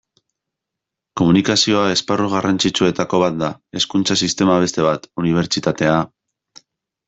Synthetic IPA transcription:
ko̞munikasio̞ae̞sparuɣ̞arant͡sit͡sue̞t̪ako̞β̞at̪̚d̪ae̞skunt͡sasist̪e̞maβ̞e̞st̪e̞β̞at̪uniβ̞e̞ɾt͡ʃit̪at̪e̞a

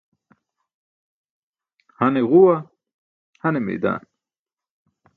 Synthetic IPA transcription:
hɐneʁuwa | hɐnemḛːd̪a̰ːn

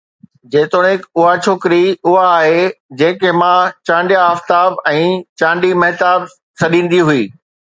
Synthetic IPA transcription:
d͡ʑeːt̪oɽ̃ɪkʊɦat͡ɕʰoːkɪɾiʊɦaːɦed͡ʑɐ̃ɦɪ̃kemãt͡ɕãːɳɖjaəft̪aːbɛ̃ːt͡ɕãːɳɖimɐɦɪt̪aːb | sɐɗĩːn̆d̪iɦʊiː

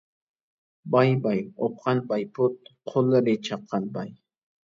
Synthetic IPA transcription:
bɑjbajop̚qɑnbajpʊt̪̚qʰolɾɪt͡ʃɑqʰːɑnbɑj

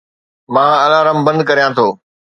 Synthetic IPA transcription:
mãːɐlaːɾəmbɐ̃nd̪kɐɾijãt̪ʰoː

